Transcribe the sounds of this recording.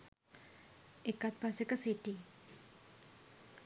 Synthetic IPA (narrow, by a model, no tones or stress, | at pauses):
ekat̪̚pasekəsiʈi